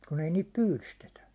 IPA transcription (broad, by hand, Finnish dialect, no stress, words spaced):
kun ei niːt pyːlystetæ